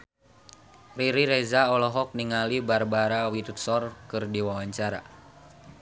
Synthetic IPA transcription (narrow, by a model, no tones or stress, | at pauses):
riɾiɾɛzaɔlɔɦɔk̚niŋalibarbaɾawit̪ut̪̚sɔrkɨrdiwawaɲt͡ʃaɾa̰